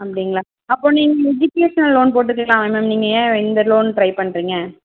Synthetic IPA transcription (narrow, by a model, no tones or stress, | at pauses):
ɐpːɐɽɪŋɡɐɭaː | ɐpːõːniːŋɡɐɛd͡ʒɪkeːʂɐnɐlloːnp̬oːʈ̬ːɯk̬ːɐlãːɛmɛmniːŋɡɐẽːɛnd̪ɐloːnːʈɾɐɪpɐɳːɾiːŋɡɐ